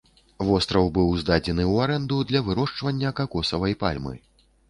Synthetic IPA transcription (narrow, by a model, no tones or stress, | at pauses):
vɔst̪ɾɐwbɨwzd̪ad͡zʲɛnɨwaɾɛnd̪ud̪lʲɐvɨɾɔʂt͡ʂvɐnʲːɐkakɔsɐvɐjpa̰lʲmɨ̰